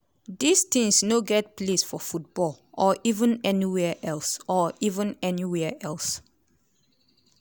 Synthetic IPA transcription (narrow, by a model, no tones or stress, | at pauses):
d̪ist̪ʰɪ̃ŋsnoɡɛt̚pʰlesfɔfut̚b̥ɔl | ʔɔʔivə̃nɛniwɛʔɛlsɔivə̃nɛniwɛʔɛls